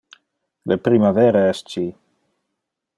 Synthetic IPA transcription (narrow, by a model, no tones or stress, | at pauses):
lepɾimavɛɾeɛst͡ʃi